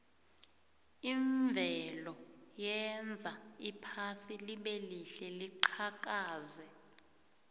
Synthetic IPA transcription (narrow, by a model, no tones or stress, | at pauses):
iɱvʱɛlɔjɛnd͡zʱaipʰasiliɓeliɬɛliǃʰak̬ʼaːzɛ